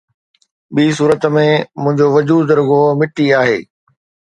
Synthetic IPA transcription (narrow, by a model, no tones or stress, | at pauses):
ɓiːs̬uːɾət̪̆mẽmʊ̃ɦɪ̃ɲd͡ʑoʋɐd͡ʑuːɾʊɡomɪʈiaːɦḛː